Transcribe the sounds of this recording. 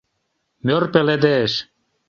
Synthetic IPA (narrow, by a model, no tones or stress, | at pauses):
mørpeled̪eʃ